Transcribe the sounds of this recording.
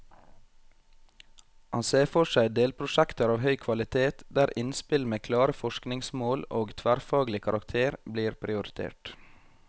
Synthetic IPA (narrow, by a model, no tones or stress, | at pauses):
hɑnseːfɔʃæɪd̪eːlpʰɾʊʃækt̪əɾɑːʋhœʏkʰʋɑlɪt̪ʰeːt̪d̪æːɾʔɪnspɪlmeːkʰlɑːɾəfɔʃknɪŋsmoːloːɡt̪ʰʋæːɾfɑːɡlɪkʰɑɾɑkt̪ʰeːɾbliːɾpʰɾɪʊɾɪt̪ʰḛːʈ